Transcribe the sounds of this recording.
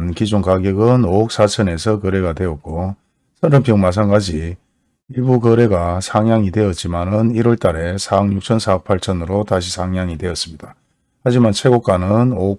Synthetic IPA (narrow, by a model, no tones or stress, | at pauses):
nkid͡ʑoŋkaɡjʌɡɯnook̚s͈at͡ɕʰʌne̞sʰʌkʌɾe̞ɡadwe̞ʌt̚k͈o | sʰʌɾʌmpʰjʌŋmat͡ɕʰanɡad͡ʑi | iɭbukʌɾe̞ɡasʰaŋjaŋidwe̞ʌt̚t͡ɕ͈imanɯniɾwʌɭt͈aɾe̞sʰaʌŋjuk̚t͡ɕʰʌnsʰaʌk̚pʰaɭt͡ɕʰʌnɯɾotaɕʰisʰaŋjaŋidwe̞ʌs͈ɯmɲida | had͡ʑimant͡ɕʰwe̞ɡok͈anɯno